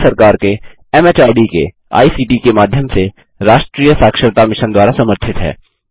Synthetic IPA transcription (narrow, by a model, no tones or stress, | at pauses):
sɐɾkaːɾke | ɛmeːt͡ʃaːɪɖikḛ | a̰ːisiːʈikemaːd̪ʱjəmse | ɾaːʃʈɾiːjəsaːkʃəɾt̪amɪʃənd̪waːɾasɐməɾt̪ʰɪt̪ɦɛ̰ː